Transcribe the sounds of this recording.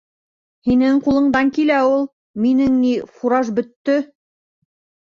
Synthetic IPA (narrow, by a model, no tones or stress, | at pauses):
hinɘŋqulˠɤ̆ɴd̪ɑŋkilæulˠ | minɘŋnifuɾɑʒbɵ̆t̪ːɵ